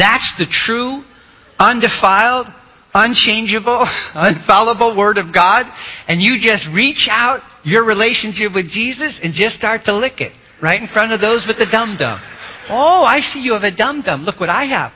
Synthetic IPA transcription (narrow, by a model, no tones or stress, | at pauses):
ðætsðɨtʰɹ̥u | ʌ̃ndɨfaɪlˠd | ə̃nt͡ʃʰẽɪ̃nd͡ʒɨbl̩ˠə̃nfælˠəbl̩ˠwɜ˞ɾʌvɡɑɾɨ̃njɨd͡ʒʌst̚ɹit͡ʃaʊt͡ʃ̚ | ə˞ɹileɪʃɨ̃nʃɪpwɨðd͡ʒizɨsɨ̃nd͡ʒʌstɑɹtʰəlɪkɨ̰t̚ | ɹaɪɾn̩fɹʌ̃ɾ̃ʌvðoʊzwɨðɨdʌ̃mdʌ̰̃moʊaɪsijɨːvɨdʌ̃mdʌ̃mlʊkwʌɾaɪɨ̰v̥